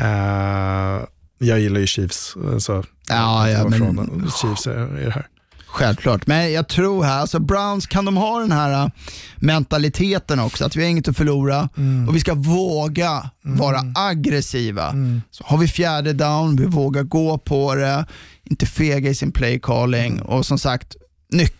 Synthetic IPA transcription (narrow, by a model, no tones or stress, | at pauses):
ɛ | jɑːɡjɪlːajɵɕiːfsa̰lsɔ | ɑjɑmɛon̰ɕiːfsɪ̰d̪ɛhæ̰ːɾ | ɧɛlvkʰlɑ̰ːʈmɛnjɑt̪ʰɾuːɾhæɾalsɔbɾaʊnskʰand̪ɔmɦaɖ̪ɛnhæːɾamɛnt̪alɪt̪ʰeːt̪ənɔksɔat̪vɪæɾɪŋːət̪ɔfœɭuːɾaɔvɪskavoːɡavɑːɾaaɡɾɛsiːva̰sɔ̥haɾvɪfjæːɖəd̪aʊnvɪvoːɡaɾɡoːpʰɔd̪ɛɪnt̪əfeːɡaɪsɪnpʰlɛjkʰɑːlɪŋɔ̰sɔmsakt̪ | nʏkː